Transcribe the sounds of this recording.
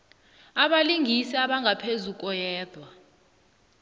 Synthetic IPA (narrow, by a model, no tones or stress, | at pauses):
aɓaliŋɡʱisiaɓaŋɡʱapʰezukʼɔjɛːdwa